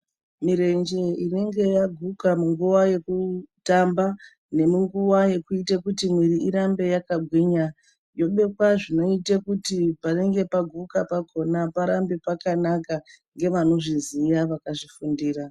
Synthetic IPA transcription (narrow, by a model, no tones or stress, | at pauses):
miɾe̞nd͡ʒe̞ine̞ŋɡe̞jaɡʱukamuŋɡuwaje̞kutamba | ne̞muŋɡuwaje̞kuitakutimwiɾiiɾambe̞jakaɡʱwiɲa | jo̞ɓe̞kwaʐino̞itakutipare̞ŋɡe̞paɡʱukapaɡʱo̞napaɾambepakanaka | ŋɡe̞ʋano̞ʐizijaʋakaʐifundiːra